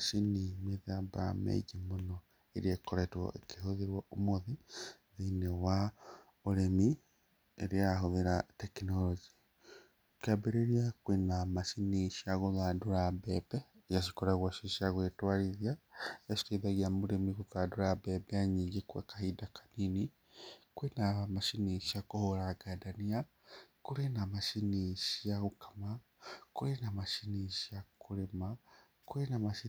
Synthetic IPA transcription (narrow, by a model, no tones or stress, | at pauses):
aʃinimeðabaɾa̰mḛiɡimonɔ | eɾekoɾɛtwɔ̰ʔekʰehoðeɾwɔomoðiðeinewa | oɾemi | eɾeaɦoðeɾatɛkinɔlɔd͡ʒi | okeabeɾeɾiakwenamaʃiniʃiaɣoðadoɾabɛbɛjaʃi̥koɾaɣwaʃiʃiaɣwetwaɾiðjajaʃi̥teðaɣiamuɾemiɣukaduɾabɛbɛaɲiɡekwekahidakḁnini | kwenamaʃiniʃiakohoɾaɡadania | kuɾenamaʃiniʃiaɣukḁma | kuɾenamaʃiniʃiakuɾema | kuɾenamai